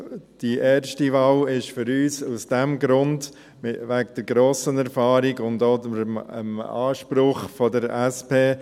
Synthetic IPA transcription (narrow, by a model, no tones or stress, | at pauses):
d̥iʔɛːɾʃtivɑːlɪʃfʏɾyːsusd̥ɛmɡɾʊnd | mɪvʋæɡ̚d̥əɾɡɾoːsənɛɾfɑːɾiɡʊndoːəmə̰mɑ̰ːʃpɾʊχfɔdəɾɛspeː